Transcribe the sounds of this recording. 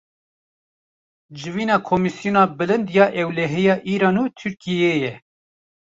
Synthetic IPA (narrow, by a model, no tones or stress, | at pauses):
d͡ʒɨviːnɑːkʰomisijunɑːbɨlɨnd̪jɑːʔɛwlɛɦɛjɑːʔiːɾɑːnuːt̪ʰyɾkijeːjɛ